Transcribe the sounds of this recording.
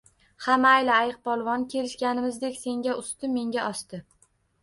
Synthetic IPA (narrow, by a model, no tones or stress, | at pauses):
hamaajlɪajɨq̚pʰɒlˠvɒnkʲʰe̞lɪʃkʲanɪmɪzd̪e̞kʲse̞ŋɡʲaʊst̪ɪmːe̞ŋɡʲaʔɒst̪ɪ